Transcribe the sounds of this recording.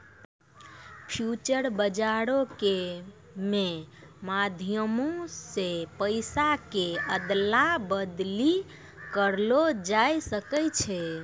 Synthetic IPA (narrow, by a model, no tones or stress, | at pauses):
pʰjut͡ʃəɾbəd͡ʒaɾoke | mẽmad̪ʱijəmosepəjsakeəd̪labəd̪li | kəɾlod͡ʒajsəkəjt͡ʃʰɛ